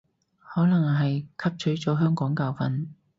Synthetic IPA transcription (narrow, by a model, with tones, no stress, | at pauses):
hɔː˨˥lɐ˨˩ŋɦɐ˨jkʰɐ˥p̚t͡ʃʰɵ˨˥ɥt͡sɔː˨˥ɦœː˥ŋkɔː˨˥ŋkaː˧wfɐ˨n